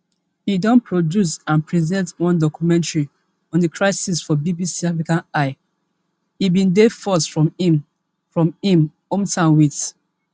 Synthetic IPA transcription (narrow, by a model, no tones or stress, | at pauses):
idɔ̃npʰɹodjusãnpɹizɛ̃ntwɔ̃ndɔkjumɛ̃ntɹi | ɔ̃ndəkʰɹaɪsisfɔbibisiafɹikãnaɪ | ibĩndefɔsfɹɔ̃mĩm | fɹɔ̃mĩm | õmtãnwit